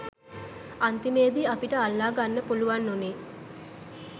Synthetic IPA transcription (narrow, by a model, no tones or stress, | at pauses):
ant̪imeːd̪iapiʈəalːaːɡanːəpuluʋanːoneː